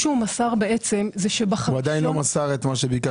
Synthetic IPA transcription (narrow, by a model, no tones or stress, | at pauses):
ʃeumasaʁbe̞ʔet͡se̞mzeʃebaχuad̪ajinlo̞masaʁet̪maʃ̬ebika